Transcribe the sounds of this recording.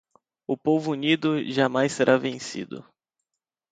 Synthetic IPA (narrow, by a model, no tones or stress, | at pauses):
ʊpovʊunid̪ʊʒamajseɾʔavẽsḭd̪ʊ̰